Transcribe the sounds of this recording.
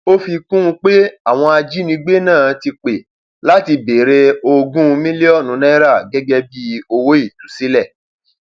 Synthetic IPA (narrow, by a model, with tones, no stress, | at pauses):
o˦fi˧kũ˦ũ˧k͡pe˦a˦˨w̃ɔ̃˧a˧d͡ʒi˦nĩ˧˦ɡ͡be˦nãː˦˨ti˧k͡pe˨ | la˦ti˧be˨ɾe˧o˧ɡũ˦˧mĩ˦li˦ɔ˦˨nũ˨˦nɛ̃˦ɾa˦˨ɡɛ˦ɡɛ˦bi˦o˧wo˦i˦˨tu˨˦si˦lɛ˦˨